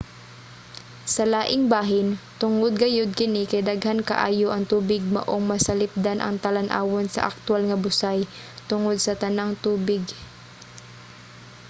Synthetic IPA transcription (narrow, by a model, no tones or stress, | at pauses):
sɐlaːʔɪŋbaːɦɪnt̪ʊŋod̪̚ɡɐjod̪̚kɪnɪkɐjd̪ɐɡhankɐ̰ʔa̰ːjoʔɐŋt̪uːbɪɡ̚mɐ̰ʔoŋmɐsɐlɪp̚d̪anʔɐ̰ŋt̪ɐlɐnʔa̰ːwonsɐ̰ʔɐ̰k̚t̪ʊalŋɐbʊsaj | t̪ʊŋod̪̚sɐt̪ɐnaŋt̪uːbɪɡ